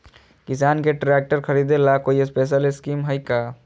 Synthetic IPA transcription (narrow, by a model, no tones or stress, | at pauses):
kɪsaːnkeʈɾɛːk̚ʈəɾkʰəɾid̪elakoːiespeːsəlɪskimɦəjka